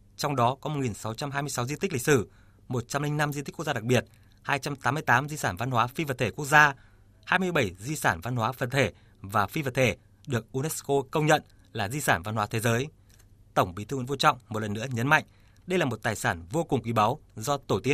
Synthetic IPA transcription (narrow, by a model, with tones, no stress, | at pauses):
t͡ɕɔ˧wŋ͡mɗɔ˨˦kɔ˨˦mo˨˩t̚ŋi˨˩nsa˨˦wt͡ɕa˧mɦaː˧jmɨ˧əsa˨˦wzi˧t̪i̟˦˥lï˨k̚sɨ˧˩ | mo˨˩t̚t͡ɕa˧mlï˧ŋ̟na˧mzi˧t̪i̟˦˥k̚ːzaː˧˨a˨˩k̚ɓi˨˩ət̚ | haː˧jt͡ɕa˧mt̪aː˨˦mɨ˧əjt̪aː˨˦mzi˧saː˧˩nva˧nhwaː˨˦fi˧və˨˩t̪ʰe˧˩ku˦˥ək̚zaː˧ | haː˧jmɨ˧əjɓə˧˩jzi˧saː˧˩nva˧nɦwaː˨˦fə˨˩nt̪ʰe˧˩ | vaː˨˩fi˧və˨˩t̚t̪ʰe˧˩ | ɗɨ˨˩ək̚ʔu˧nɛ˦˥sko˧kə˧wŋ͡mɲə̰˧˨n | laː˨˩zi˧saː˧˩nva˧nhwaː˨˦t̪ʰe˨˦zəː˨˦j | t̪ə˧˩wŋ͡mɓi˨˦t̪ʰɨ˧wə˧˥˦vo˧t͡ɕɔ̰˧˨wŋ͡mmo˨˩t̚lə˨˩nːɨ˧˥əɲə˨˦nma̰˧˨jŋ̟ | ɗə˧jlaː˨˩mo˨˩t̚t̪aː˨˩jsaː˧˩nvo˧kʊ˨˩ŋ͡mkwi˧˩ɓa˨˦wzɔ˧t̪o˧˩t̪i˦˥ə